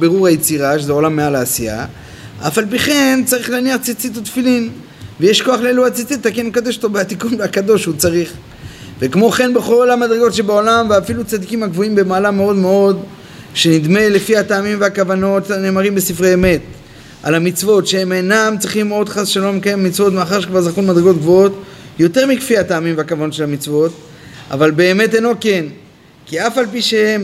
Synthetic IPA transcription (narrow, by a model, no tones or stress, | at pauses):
beʁuʁajet͡siʁaʃezeolamːealaːsija̰ | a̰falp̬iχe̞nt͡saʁiχleaniaχt͡sit͡sit̪ut̪filin | vejeʃko̞aχleeluat͡sit͡sit̪akenekad̪eʃotobeat̪ikunlakad̪o̞ʃut͡saʁiχ | vekmo̞χe̞nbeχo̞lamad̪ʁeɡo̞tʃe̞bao̞lamveafilut͡sad̪ikimaɡvoimbe̞maːlameo̞d̪meo̞d̪ | ʃe̞nid̪me̞le̞fiat̪aːmimveakavano̞tne̞ːmaʁimbesifʁeeme̞t̪ | ʔa̰lamit͡svo̞tʃeemenamt͡sʁiχimo̞d̪χasʃalo̞mekajemːit͡svo̞t̪meaχaʁʃekvaʁzaχunmad̪ʁeɡo̞t̪ɡvootjo̞te̞ʁmikfihat̪aːmimveakavano̞tʃe̞lamit͡svo̞t̪ | a̰valbe̞ːme̞teno̞ke̞n | kiafalpiʃehem